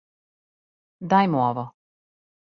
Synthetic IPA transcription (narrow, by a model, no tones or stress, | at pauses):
d̪ajmuoʋɔ